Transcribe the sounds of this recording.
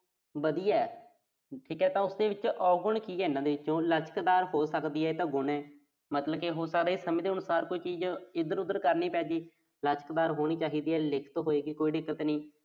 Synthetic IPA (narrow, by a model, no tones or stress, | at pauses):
bəd̪iːɛː | ʈʰiːkɛːt̪ãːʊsd̪eːʋɪt͡ʃɔːɡʊɳkiːɛːɪnãːd̪eːɪt͡ʃːt͡ʃõːlət͡ʃkd̪aːɾɦoːsəkd̪iːɛːt̪ãːɡʊɳɛː | mət̪ləbkeɦoːsəakɾeːsəmẽːd̪eːʊnʊsaːɾkʊiːt͡ʃiːd͡ʒɪd̪əɾʊd̪əɾkəɾniːpɛ̃ːd͡ʒiː | lət͡ʃəkd̪aːɾɦoːɽ̃iːt͡ʃaːɦiːd̪iːɛːlɪkʰt̪ːɦoːeːɡiːkoːiːɖɪkːət̪nĩː